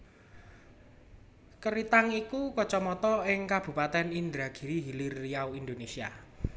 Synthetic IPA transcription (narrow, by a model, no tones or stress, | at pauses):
kəɾit̪aŋikukɔt͡ʃɔmɔt̪ɔɪŋkab̥ṳpat̪ɛnind̪ɾaɡ̥i̤ɾiɦilirijawind̪onesia̰